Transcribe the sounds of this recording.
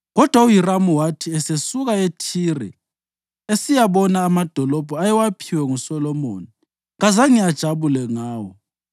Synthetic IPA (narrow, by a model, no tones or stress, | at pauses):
ɣɔd̥ʱwaujiramuwatʰiɛsesuɣaetʰirɛ̰ | esijaβɔnaːmad̥ʱɔlɔb̥ʱɔajɛwapʰiwɛŋusɔlɔmo̰ːni | ŋazaŋijad̥ʒ̥ʱaβulɛŋaːwɔ̰